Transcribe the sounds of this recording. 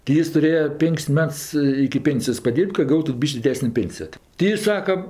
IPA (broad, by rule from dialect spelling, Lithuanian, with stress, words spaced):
tʲɪ ˈjɪs tʊˈrʲeːjɛ ˈpʲɪŋʲkʲsʲ ˈmʲɛts ɪkʲɪ ˈpʲeːnʲsʲɪjoːs pɐˈdʲiːrʲpʲtʲ kɐ ˈɡɐʊtʊ ˈbʲiːʃʲkʲ dʲɪˈdʲæːsʲnʲeː ˈpʲeːnʲsʲɪjoː tʲɪ tʲɪ ˈjɪs ˈsɑːkɐ